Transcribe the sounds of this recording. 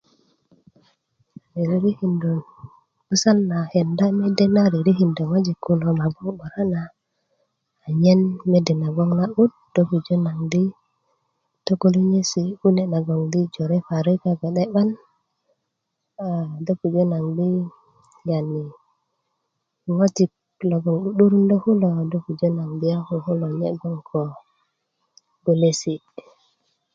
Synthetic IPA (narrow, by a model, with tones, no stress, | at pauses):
ɾi˨ɾi˨ɾi˦hi˨ndo˨n | u˦sa˦nːa˨he˨nda˦me˦de˦na˦ɾi˨ɾi˦ɦi˨ndo˨wa˦d͡ʒi˨kːu˦no˨ma˨ɡo˦ŋɓa˨ɾa˦na˨ | ɲe˦nme˦de˨na˨ɡo˦ŋna˦ʔu˦d | d̥o˦ku˨d͡ʒo˦na˨ŋdi˦ | to˦ɡo˦li˦ɲe˦si˨u˦ne˦˨na˨ɡo˨ŋdi˦d͡ʒo˨ɾe˦fa˨ɾi˦ka˨ɡa˨ɗe˦ɓa˦n | a˨do˦ku˨d͡ʒo˦na˨ŋdi˦ | ja˨ni˨ | wo˦ti˨k̚ | lo˨ɡɔ˨ŋɗu˦ɗu˦ɾu˦ndo˦hu˦lo˨do˦ku˨d͡ʒo˦na˨ŋdi˦a˦hu˨hu˦lo˨ɲḛ˦ɡo˦ŋkʰo˨ | ɡo˨le˦si˨